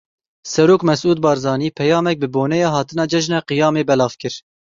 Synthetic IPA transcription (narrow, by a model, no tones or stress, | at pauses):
sɛɾoːkmɛsʔuːd̪̚bɑːɾzɑːniːpʰɛjɑːmɛk̚bɨboːnɛjɑːɦɑːt̪ɨnɑːd͡ʒɛʒnɛqijɑːmeːbɛlɑːvkɨɾ